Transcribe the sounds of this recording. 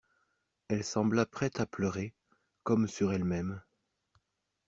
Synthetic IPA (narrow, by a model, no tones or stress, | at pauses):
ɛlsɑ̃blapχɛt̪aplœʁe | kɔmsyʁɛlmɛm